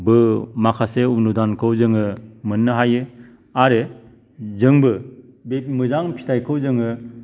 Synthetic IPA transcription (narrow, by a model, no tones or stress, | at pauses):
bɯmakʰaseunudankʰɯwzɯŋɯmɯnːɯɦajɯ | aɾe | zɯŋbɯ | bemɯzaŋpʰi̥tʰajkʰɯwzɯŋɯ